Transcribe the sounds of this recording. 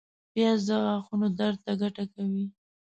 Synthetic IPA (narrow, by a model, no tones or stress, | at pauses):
bjɑzd̪aɣaxunod̪aɾd̪̚t̪aɡaʈakawi